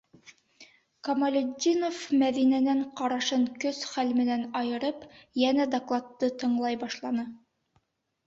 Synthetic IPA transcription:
kɐmɐlʲʊdʲinofmæðinænæɴqɑɾɑʃɤɴkɵsχælmɘ̆nænɑjɤ̆ɾɤpjænæd̪aklˠɑt̪ːɤt̪ɤ̆ɴlˠɑjbɑʃlˠɑnɤ

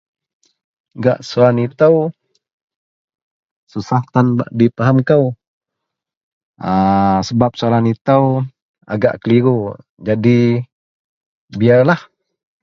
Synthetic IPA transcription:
ɡaʔsualanit̪əw | susahk̪anbaʔdipaɦamkəw | əsəbap̚sualanit̪əw | a̰ɡa̰ʔkəliɾu | d͡ʒadi | biarlah

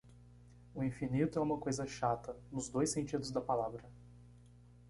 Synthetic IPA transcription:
ʊĩfinit̪ʊɛũmɐkojzɐʃat̪ɐnʊzd̪ojsẽnt͡ʃid̪ʊzd̪ɐpalavɾɐ

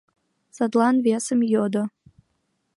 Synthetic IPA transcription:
sad̪lanviasɨmjodo

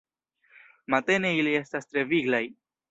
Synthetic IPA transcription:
mat̪e̞ne̞ilie̞stastɾe̞viɡlaj

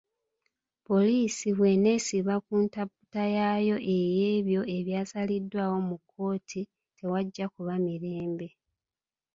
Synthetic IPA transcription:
po̞liːsiβwe̞ne̞ːsiβakuntabutajaːjo̞ʔe̞je̞ːβjo̞ʔe̞βjaːsalidːwaːwo̞mukːo̞ːtʰi | te̞waɟːakuβamiɾe̞ːmbe̞

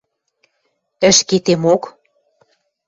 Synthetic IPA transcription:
ə̆ʃket̪emok

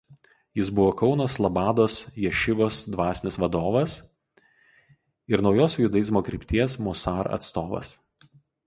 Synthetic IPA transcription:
jɪs̬bʊʋoːkɒʊnoslˠɐbɑːd̪oːsjɛʃʲɪʋoːsd̪ʋɑːsʲɪnʲɪsʋɐd̪oːʋɐs | ɪɾnɒʊjoːsʲjʊd̪ɐjɪzʲmoːkɾʲɪpʲt̪ʲiɛsmʊsɑːɾɐ̰t̪st̪oːʋɐ̰s

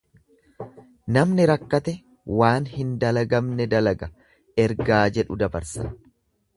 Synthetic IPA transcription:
nɐmnɪɾɐkːɐt̪ɛ | waːnhɪnd̪ɐlɐɡɐmnɛd̪ɐlɐɡɐ | ɛɾɡaːd͡ʒɛᶑʊd̪ɐbɐ̰ɾsɐ̰

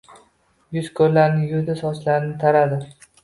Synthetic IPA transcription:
jʊzkʰoɾlːaɾnɪjʊd̪ɪsɒslaɾɪnɪt̪ʰaɾad̪ɪ

